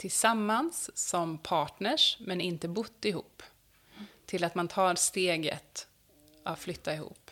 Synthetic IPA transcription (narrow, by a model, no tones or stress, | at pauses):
t̪ʰɪlsamːansːɔmpʰɑːʈɳəʂmɛnɪnt̪əbʊt̪ːɪhuːpː | t̪ʰɪlat̪mant̪ʰɑːɾst̪eːɡə̰t̪ | ʔavflʏt̪ːaɪhṵːpː